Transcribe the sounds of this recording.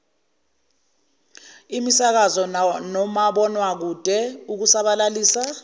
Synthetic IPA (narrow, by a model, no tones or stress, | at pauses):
imisak̬azɔnɔmaɓɔnwak̬ud̥ʱɛuk̬usaɓalaliːsa